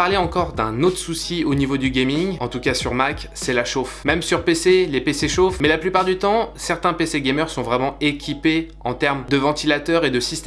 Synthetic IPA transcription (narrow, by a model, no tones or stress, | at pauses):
aʁleɑ̃kɔʁd̪ɛ̃not̪χsusionivod̪yɡʲemiŋɑ̃t̪ukasyʁmak | sɛlaʃofmɛmsyʁpeselepeseʃofmɛlaplypaʁd̪yt̪ɑ̃sɛʁt̪ɛ̃peseɡʲemœʁsɔ̃vʁɛmɑ̃ekʲʰipe | ɑ̰̃t̪ɛʁmd̪əvɑ̃t̪ilat̪œʁed̪əsist̪ɛ